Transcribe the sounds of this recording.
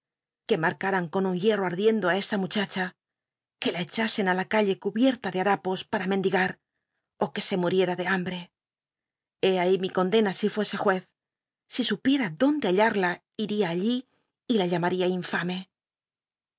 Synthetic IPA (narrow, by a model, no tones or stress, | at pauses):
ke̞maɾkaɾaŋko̞nuŋje̞ro̞aɾðje̞nd̪oae̞st̪amut͡ʃat͡ʃa | ke̞lae̞t͡ʃase̞nalakaʎe̞kuβje̞ɾt̪aðeaɾapo̞spaɾamend̪iɣaɾ | o̞ke̞se̞muɾje̞ɾaðe̞ambɾe̞ | e̞aimiko̞nd̪e̞nasifwe̞se̞xwe̞θ | sisupje̞ɾaðo̞nd̪e̞aʎaɾla | iɾiaːʎiː | laʎamaɾiaiɱfame̞